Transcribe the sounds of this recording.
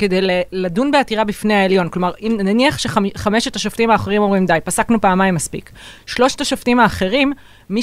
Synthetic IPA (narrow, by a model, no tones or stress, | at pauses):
ke̞de̞jleladunbeatiʁabifnehaeljo̞nklo̞maʁimnaniaχʃe̞χχameʃetaʃoftimaːχeʁimomʁimd̪ajpasaknupaːmajmːaspḭk | ʃlo̞ʃtaʃoftimaːχe̞ʁimː | i